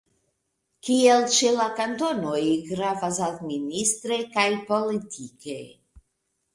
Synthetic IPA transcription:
kielt͡ʃelakant̪o̞nojɡɾavas̬administ̪ɾekajpo̞litʰike

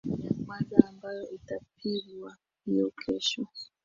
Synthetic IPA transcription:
jakwazaːmbajɔʔitap̚ʰiɡwa | hijɔkʰɛʃɔ

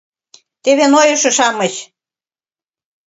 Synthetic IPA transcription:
t̪eβenojɤ̆ʃɤ̆ʃɑmɤɕ

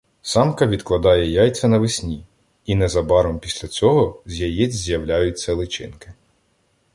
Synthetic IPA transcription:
sɑmkɐʋʲid̪klˠɐd̪ɑjɛjɑjt͡sʲɐnɐʋɪsʲnʲi | inɛzɐbɑɾɔmpʲisʲlʲɐt͡sʲɔɦɔzʲjɐjɛt͡sʲzʲjɐwlʲajʊtʲt͡sʲːɐlˠɪt͡ʃɪ̰nkɪ̥

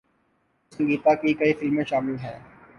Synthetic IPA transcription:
sə̃ŋɡiːt̪akikɐifɪlmẽʃaːmɪlɦɛ̰ː

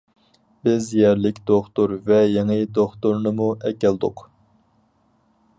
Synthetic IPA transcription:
bɪzjɛɾlɪkʲd̪oχt̪uɾvɛjeŋɨd̪oχt̪uɾnɨmuʔɛkʲɛlˠd̪ʊ̰q

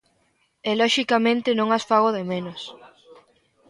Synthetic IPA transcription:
elɔʃikamẽnt̪ɪnõŋasfaɣoðemenos

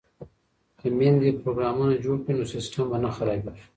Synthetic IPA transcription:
kəmend̪ipɾoɡɾamunad͡ʒoɽkinosɪsʈɐmbanaxaɾabbaʃ

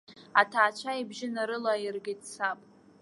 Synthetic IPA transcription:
atʰaːt͡ʃʷʰaibʒɪnaɾɨlairɡʲɪtʼt͡sʰapʼ

